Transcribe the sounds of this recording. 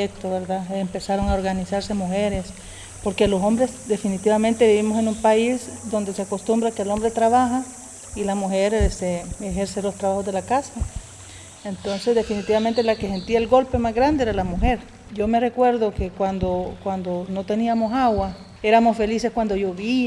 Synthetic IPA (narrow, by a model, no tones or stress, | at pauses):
et̪oβeɾðaempe̞saɾo̞ŋaoɾɣanisaɾse̞muxeɾes | poɾke̞loso̞mbɾesd̪e̞finit̪iβament̪e̞βiβimo̞senumpaisd̪o̞nd̪e̞seako̞st̪umbɾakelo̞mbɾet̪ɾaβaxa | ilamuxeɾest̪eexeɾselo̞st̪ɾaβaxozðelakasa | ent̪o̞nse̞zd̪efinit̪iβament̪elakese̞nt̪iaelɡo̞lpe̞mazɣɾand̪eeɾalamuxe̞ɾ | ɟ͡ʝo̞me̞re̞kwe̞ɾðokekwand̪okwand̪ono̞t̪e̞niamosaɣwa | e̞ɾamosfe̞liseskwand̪o̞ʝoβi